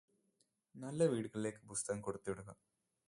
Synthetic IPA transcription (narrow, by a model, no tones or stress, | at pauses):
nɐlːɐʋiːɽɡɐɭːekːɯbust̪aŋkoɽut̪ːʋuɽɐɡɐ